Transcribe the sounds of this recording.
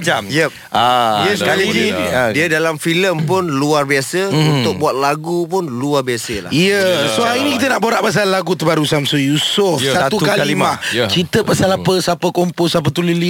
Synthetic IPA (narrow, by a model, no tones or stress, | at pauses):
amjəp̚ | ajɛsaliidiədalamfiləmpʊnluarbiasəunʊk̚buat̪̚laɡupʊnluarbiasəla̰hiəsohainĩkit̪ənaʔboɾaʔpas̬alːaɡut̪əbaɾusamsojusosat̪ukaliimat͡ʃit̪əpasalapəsapəkomposap̬ət̪ulili